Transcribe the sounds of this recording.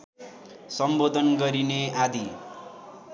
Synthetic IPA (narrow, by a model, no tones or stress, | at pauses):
sʌmbod̪ʱʌnɡʌɾinead̪i